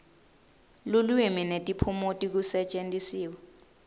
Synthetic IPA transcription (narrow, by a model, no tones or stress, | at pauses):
lulwiminetʼipʰumotʼik̬usɛt͡ʃʼentʼisiːwɛ